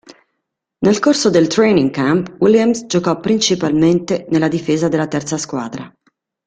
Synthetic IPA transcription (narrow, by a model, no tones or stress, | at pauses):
nelkorsod̪elt̪ɾejniŋkampwiljamsd͡ʒokɔpːɾint͡ʃipalment̪enelːad̪ifeːzad̪elːat̪ɛrt̪saskwaːd̪ɾa